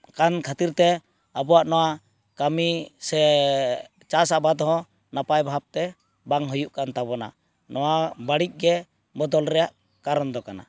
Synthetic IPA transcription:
kankʰat̪iɾt̪ɛ | abɔwaʔnɔwa | kamisɛ | t͡ʃasaʔbad̪ɦɔ̃ | napajbʱab̚t̪ɛ | baŋɦɔjuʔkant̪aβɔna̰ | nɔwabaɽic̚ˀɡɛ | bɔd̪ɔlɾɛjaʔ | kaɾɔnd̪ɔkana̰

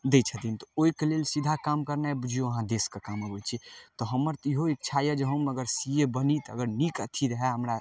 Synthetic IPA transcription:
d̪et͡ʃʰət̪int̪ɔ̥oikelelsid̪ʱakamkəɾnaɛbud͡ʒʱijoəɦãd̪eskekaməbət͡ʃʰit̪ɔɦəmːəɾt̪iɦoek̚t͡ʃʰajəd͡ʒeɦə̃məɡəɾsiebənit̪ə̰ɡəɾnikət̪ʰiɾəɦɛɦəmɾa

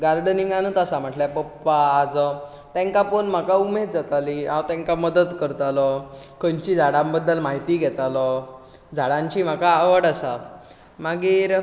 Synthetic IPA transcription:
ɡaɾɖəniŋɡanət̪asam̤əʈljapəpːaːd͡zə | t̪ɛ̃ŋkapəɳm̤akaumed̪̚d͡zat̪aliãwt̪ɛ̃ŋkaməd̪ət̪kəɾt̪aləkəɲt͡ɕid͡zʱaɽãmbəd̪ːəlmaɦit̪iːɡʱɛt̪alə | d͡zʱaɽãɲt͡ɕiːm̤akaːʋəɽasa | maɡiːɾ

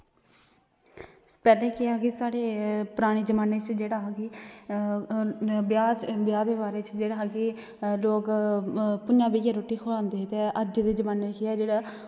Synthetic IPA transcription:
pɛːleːkɪaɡeːsaːɽeːpʊɾaːɽ̃iːd͡ʒəmaːneːt͡ʃd͡ʒeːɽaːɦaɡeː | bjaːbjaːd̪eːbaːɾeːt͡ʃd͡ʒeːɽaːɦeɡeː | loːk | pʊnãːbiːɡaːɾoːʈːiːkʰoɽãːnd̪eːt̪eəd͡ʒd̪eːd͡ʒəmaːnekɪaːd͡ʒeːɽaː

